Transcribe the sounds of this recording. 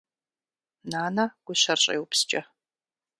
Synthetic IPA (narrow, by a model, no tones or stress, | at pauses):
naːnɐɡ̥ʷʊɕɐrɕʼɐ̰jwpst͡ʃʼɐ